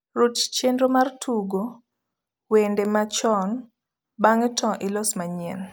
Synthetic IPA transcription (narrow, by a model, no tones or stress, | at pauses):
ɾott͡ʃendɾomartʰuɡo | wendemat͡ʃɔn | baŋɛtɔ̃ʔɪlɔsmaɲɛ̰n